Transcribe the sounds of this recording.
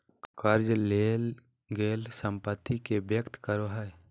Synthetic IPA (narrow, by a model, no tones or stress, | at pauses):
kəɾd͡ʒleːl | ɡeːlsə̃mpət̪ːikebjəkt̪kəɾoɦɛe